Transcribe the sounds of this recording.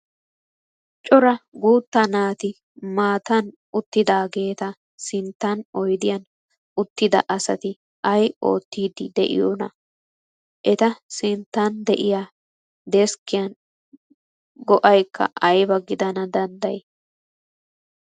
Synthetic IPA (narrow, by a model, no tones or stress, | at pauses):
t͡ʃʼɔɾɐɡuːt̪ːɐnaːt̪ɪ | maːt̪ɐn | ʊt̪ːɪd̪aːɡe̞ːt̪ɐ | sɪnt̪ːɐnɔjd̪ɪjɐn | ʊt̪ːɪd̪ɐʔɐsɐ̰t̪ɪ | ʔɐjo̞̰ːt̪ːiːd̪ɪd̪ɛ̰ʔɪ̰jonɐ̰ | ʔɛt̪ɐsɪnt̪ːɐnd̪ɛʔɪja | d̪ɛskːɪjɐn | ɡɔʔɐjkʰːɐ̰ʔɐjbɐɡɪd̪ɐnɐd̪ɐnd̪ɐj